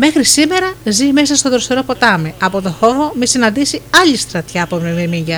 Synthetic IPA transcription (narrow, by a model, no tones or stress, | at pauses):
me̞xɾisime̞ɾɐzime̞sɐst̪oðɾost̪eɾo̞po̞t̪ɐmeɐpo̞t̪o̞fo̞vomisinɐnd̪isiɐʎist̪ɾɐt̪çɐːpomememiɲʝɐ